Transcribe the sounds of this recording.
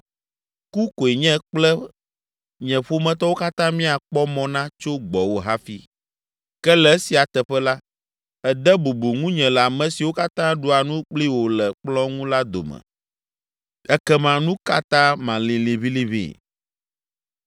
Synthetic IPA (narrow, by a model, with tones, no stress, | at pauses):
ku˦ko˨e˨ɲɛ̃˦k͡plɛ˦ | ɲɛ̃˨ɸo˦mɛ̃˦t̪ɔ˦wo˦ka˦t̪ã˦mĩ˦a˨k͡pɔ˦mɔ̃˨nã˦t͡ʃo˦ɡ͡bɔ˨wo˦ɦa˦fi˦ | kɛ˦lɛ˨˦si˨a˨t̪ɛ˨ɸɛ˦la˦ | ɛ˨d̪ɛ˦bo˨bo˨ŋũ˦ɲɛ̃˨lɛ˨a˨mɛ̃˨si˨wo˦ka˦t̪ã˦ɖu˨˦a˨nũ˦k͡pli˦wo˨lɛ˨k͡plɔ̃˦ŋũ˦la˦d̪o̰˨mɛ̰̃˨ | ɛ˦kɛ˦mã˨nũ˦ka˦t̪ã˦mã˨li˨li˨βi˦li˦βḭ˨